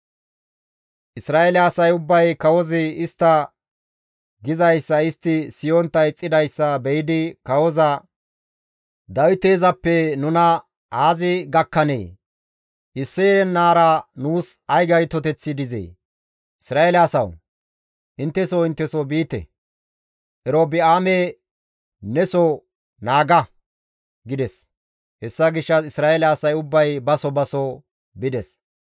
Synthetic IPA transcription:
ʔɪsɾaːelɪasɐjʊbːɐjkɐwɔzɪɪst̪ːɐ | ɡɪzɐjsːɐɪst̪ːɪsɪjɔnt̪ːɐjt͡sʼːɪd̪ɐjsːɐbɛjɪd̪ɪkɐwɔzɐ | d̪ɐwɪt̪e̞ːzɐpːɛnʊnɐ | aːzɪɡɐkːɐnḛː | ʔɪsːeːɾɛnːaːɾɐnuːsɐjɡɐjt̪ɔt̪̬ɛt͡sːɪd̪ɪzḛː | ɪsɾaːelɛɐsɐw | ʔɪnt̪ːɛsɔɪnt̪ːɛsɔbiːt̪ɛ̰ | ʔɛɾoːbɪaːme | nɛsɔ | naːɡɐ | ɡɪd̪ɛs | hɛsːɐɡɪʃːɐsɪsɾaːɛlɛɐsɐjʊbːɐjbɐsɔbɐsɔ | bɪd̪ɛs

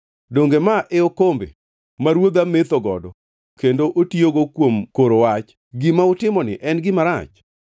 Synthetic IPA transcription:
doŋɡemaʔeokombḛ | maɾwod̪amet̪oɡɔ̰dɔ | kendoʔotioɡokwomkoɾowat͡ʃ | ɡimaʊtɪmɔnɪ̰ʔɛnɡɪmaɾa̰t͡ʃ

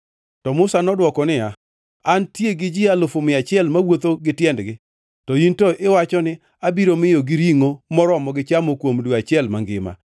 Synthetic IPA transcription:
tɔmʊsanɔdwɔkɔnɪa | antjeɡɪd͡ʒɪalofomɪat͡ʃɪɛlmawot̪oɡɪtjɛndɡɪ | tɔintoʔɪwat͡ʃɔnɪ | abiɾomɪjoɡɪɾiŋomɔɾɔmɔɡɪt͡ʃamokwomdwoat͡ʃɪɛlmaŋɡɪ̰ma̰

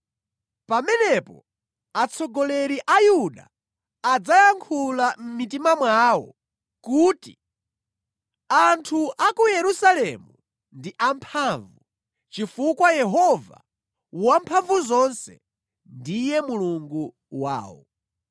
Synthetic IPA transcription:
pamɛnɛpɔ̰ | at͡sʰɔɡɔlɛɾiʔajuɗa | ad͡zajaŋkʰulam̩mitimamwaːwɔ̰ | kuːti | antʰuʔakujɛɾusalɛmu | ndiʔampʰaɱvu | t͡ʃifukwajɛɦɔva̰ | wampʰaɱvuzɔnsɛ̰ | ndijɛmuluŋɡu | wa̰ːwɔ̰

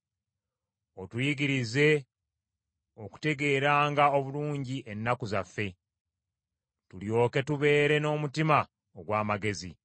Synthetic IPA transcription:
otujiɡiɾize̞ | o̞ku̥te̞ɡe̞ːɾaːŋɡao̞βuluːɲɟiʔenːakuzafːe̞ | tuljo̞ːke̞tuβe̞ːɾe̞no̞ːmutima | oɡwaːmaɡe̞zḭ

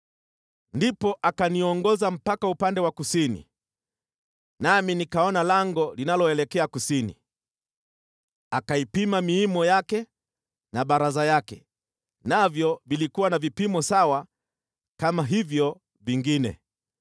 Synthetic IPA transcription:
ndipɔʔakaniɔŋɡɔzam̩pakaupandɛwakusinḭ | naminikaɔnalaŋɡɔlinalɔɛlɛkɛakusinḭ | akaipimamiimɔjakɛ | naɓaɾazajakɛ | navjɔvilikuwanavipimɔsawa | kamaɦivjɔ | viŋɡinɛ̰

